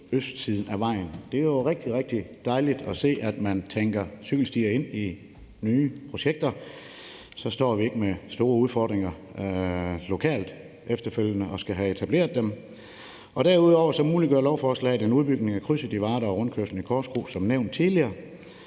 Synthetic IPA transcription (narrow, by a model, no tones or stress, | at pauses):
øsd̥sið̞ˠn̩æʋɑ̈ɪ̰n̩d̥e̝æjoʁeɡ̥̚d̥iʁeɡ̥̚d̥id̥ɑ̈ɪlid̥ɒse̝̰ːæd̥mænt͡sʰeŋɡ̥ɐsyɡ̥l̩sd̥iːɐe̝n̰i | nyːpʰʁo̝ɕeɡ̥̚d̥ɐ | sɒ̽sd̥ɒ̰ːʋie̝ɡ̥əmesd̥o̝ːɐuð̞ˠfɒ̰ːd̥ʁeŋɐ | lo̝kʰɛ̰ːld̥ | efd̥ɐføl̰jənəʔɒ̽sɡ̥æɦæe̝t͡sʰæb̥le̝̰ːɐðˠd̥em | ʔɒ̽ɾ̥æɐuð̞ˠɒʊɐsɒ̽muːliɡ̥ɶɐlɒʊfɒɒslɛ̰ːd̥enuð̞ˠb̥yɡ̥ne̝ŋækʰʁysəd̥iʋɑ̈ːɾɐɒʁɔ̽nkʰøsn̩ikʰɒːsɡ̥ʁo̝̰ːsɒ̽mneʊ̰nd̥t͡sʰiliɐː